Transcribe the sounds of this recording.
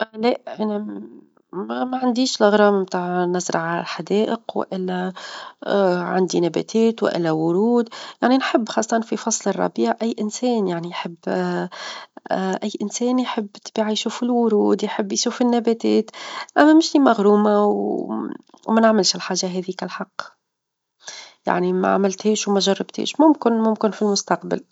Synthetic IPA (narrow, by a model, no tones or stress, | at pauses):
ʔlæʔæna | mæmæʕand̪iːʃlɪɣɾˤɑːmmt̪aʕnazɾˤɑʕalæ̰lħad̪ɛːʔəqwɪ̰ʔɪlːæ | ʕa̰nd̪inæbæ̰ːt̪ʰɛːt̪wɪ̰ʔɪ̰lːæwʊɾuːd̪jaʕninħɪbːxɑːsˤːɑt̪ɑnfifɑsˤlərˤɑ̰biːʕʔæjːʔɪnsɛːnjaʕnijħɪbː | ʔæjːʔɪnsɛːnjħɪbːt̪biːʕajʃuːfɪlwʊɾuːd̪jħɪbːjʃuːfɪnːæbæːt̪ɛːt̪ʔæmːæmɪʃlimaɣɾuːmaw | wmænaʕmɪlʃɪlħaːʒaɦɛːðikælħɑqː | ja̰ʕnimæ̰ʕa̰mɪlt̪hɛːʃwmæʒɑrˤːɑbt̪ʰḭːʃmʊmkɪnmʊmkɪnfilmʊst̪ɑqba̰l